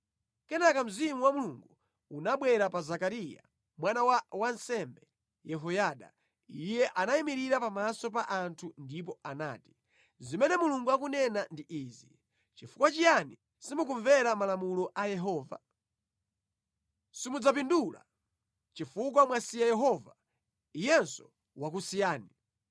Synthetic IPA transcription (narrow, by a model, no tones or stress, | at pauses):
kɛnakam̩zimuwamuluŋɡu | unaɓwɛɾapazakaɾija̰ | mwanawawansɛmbɛ | jɛɦɔjaːɗa̰ | ijɛʔanaimiɾiɾapamasɔp̬aʔantʰundip̬ɔana̰ːti̥ | zimɛnɛmuluŋɡuak̬unɛnandiʔiːzi | t͡ʃifukwat͡ʃijani | simukuɱvɛɾamalamulɔʔajɛɦɔːva̰ | simud͡zap̬indula̰ | t͡ʃifuk̬wamwasijajɛɦɔva | ijɛnsɔ̥ | wak̬usijaːni